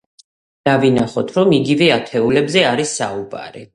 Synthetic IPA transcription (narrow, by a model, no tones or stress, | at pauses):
d̪̥avinaχɔt̪ʰɾɔmiɡivɛat̪ʰɛulɛbzɛaɾisːa̰uba̰ɾi